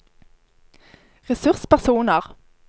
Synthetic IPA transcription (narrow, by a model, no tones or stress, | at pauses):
ʁɛsʉʁspæʁsuːnəʁ